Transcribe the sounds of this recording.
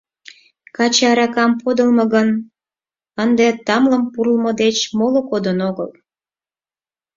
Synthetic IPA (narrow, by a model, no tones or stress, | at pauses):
kɑt͡ɕɑɾɑkɑmpod̪əlmɤɣən | ənd̪et̪ɑmləmpuɾəlməd̪et͡ɕmolokod̪ənoɣəl